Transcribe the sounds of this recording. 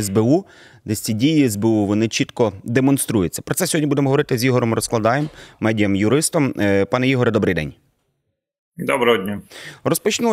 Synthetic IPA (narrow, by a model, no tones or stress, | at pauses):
ɛzbeu | d̪ɛsʲt͡sʲidʲijiɛzbeuʋɔnɪt͡ʃit̪kɔd̪emɔnst̪ɾujʊt͡sʲːɐ̥pɾɔtsɛsʲɔɦɔdʲnʲibud̪emɔɦɔʋɔɾɪt̪ɪzʲjiɦɔɾɔmɾɔsklˠɐd̪ɑjemːɛdʲijɐmjʊɾɪst̪ɔmpɑnɛjiɦɔɾɛd̪ɔbɾɪjd̪ɛ̰nʲ | d̪ɔbɾɐɔdʲnʲarɔspɔt͡ʃnˠ